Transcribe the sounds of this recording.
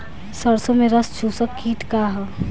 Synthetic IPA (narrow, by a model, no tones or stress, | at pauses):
səɾsõmẽɾəst͡ʃʰuːsəkːiːt̪kaɦɛ